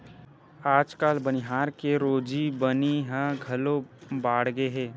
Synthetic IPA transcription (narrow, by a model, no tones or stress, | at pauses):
aːd͡ʒkaːlbənɪɦaːɾkeɾoːd͡ʒibəniɦɛ̃ɡʱɐlobaːɽɡeɦɛː